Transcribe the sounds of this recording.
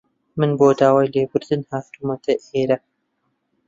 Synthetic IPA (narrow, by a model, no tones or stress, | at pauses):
mɨnboːd̪aːwaːjleːbɨɾd̪ɨnhaːft̪umɐt̪ʰɐʔeːɾɐ